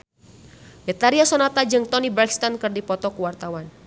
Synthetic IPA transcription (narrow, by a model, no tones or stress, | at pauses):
bɛt̪aɾiasɔnat̪ad͡ʒɨŋt̪ɔnibɾaki̥st̪ɔnkɨrdipɔt̪ɔkuwart̪awan